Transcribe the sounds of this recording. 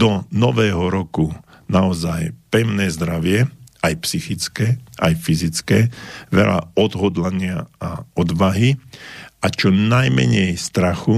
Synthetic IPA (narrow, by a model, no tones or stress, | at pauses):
d̪ɔnɔʋɛːɦɔɾɔkunaɔzajpɛʊnɛːzd̪ɾaʋɪɛajpsixit͡skɛːʔajfizit͡skɛːʋɛ̰la̰ɔd̪ɦɔd̪laɲɪaaɔd̪ʋaɦi | at͡ʃɔnajmɛ̰ɲɛjst̪ɾaxu